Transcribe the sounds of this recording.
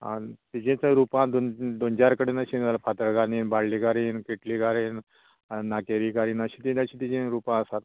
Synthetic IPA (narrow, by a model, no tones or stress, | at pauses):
a̰t̪id͡ʑẽt͡sə̃ɾupãd̪ond̪ond͡ʑaɾkəɽenaɕĩlpʰat̪əɾɡaniːnbaɽliɡaɾiːnkeʈliɡaɾiːn | nakeɾikaɾiːnəɕit̪iəɕĩt̪id͡ʑẽɾupãəsat̪̚